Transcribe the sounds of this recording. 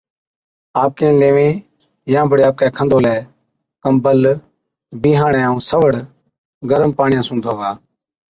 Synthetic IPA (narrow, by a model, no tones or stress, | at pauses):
aːp̚kẽːleːʋẽː | jãːbʱəɽeːaːp̚kɛːkʰə̃nd̪ʱoːlɛː | kəmbəl | biːɦãːɳɛːaːũːsəʋəɽ | ɡəɾəmpaːɳɪjãːsũːd̪ʰʱoːɡaː